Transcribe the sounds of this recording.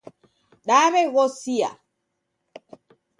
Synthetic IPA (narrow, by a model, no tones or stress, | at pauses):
ɗaβɛɣɔsija̰